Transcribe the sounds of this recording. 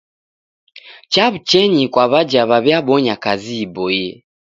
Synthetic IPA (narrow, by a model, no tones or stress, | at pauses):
t͡ʃaβut͡ʃɛɲikwaβad͡ʒaβaβjabɔɲakaziːbɔjɛ